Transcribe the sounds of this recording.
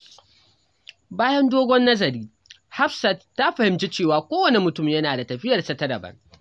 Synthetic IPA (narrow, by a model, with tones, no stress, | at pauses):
baː˦jɐ˦ndoː˦ɡʷɔ˦nːɐ˦zɐ˨ɾiː˦ | ha˦ɸsa˨tːa˦ɸɐ˨hɪ˨mt͡ʃi˦t͡ʃeː˦˨waː˨kʷoː˦wɐ˨ne˨mʊ˨tʊ˦˨mjɐ˦naː˨da˨tɐ˨ɸɪ˦jɐ˨rsɐ˨˦tɐ˦ɾɐ˨bɐ̰˦ŋ